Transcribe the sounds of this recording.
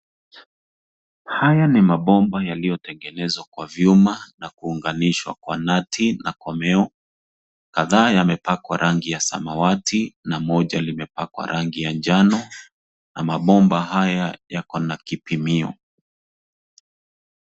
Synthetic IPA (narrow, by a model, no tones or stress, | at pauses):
hajanimaɓɔmbajalijɔtɛŋɡɛnɛzwakwavjumanakuːŋɡaniʃwa̰kwa̰natʰinakwamɛɔ | kaðaːjamɛpakwa̰ɾʔaŋɡijasa̰mawatʰinamɔʄalimɛpakwa̰ɾʔaŋɡijand͡ʒanɔ | namaɓɔmbaɦajajakɔnakipimiɔ̰